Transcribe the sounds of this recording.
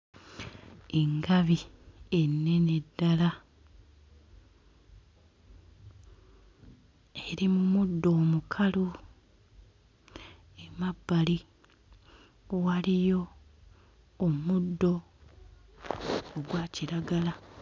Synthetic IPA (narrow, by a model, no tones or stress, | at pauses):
eŋɡaβie̞nːe̞ne̞dːala | eɾimumudːo̞ːmukʰalu | emabːali | walijo̞ | mudːo̞ | ɡwaːciɾaɡala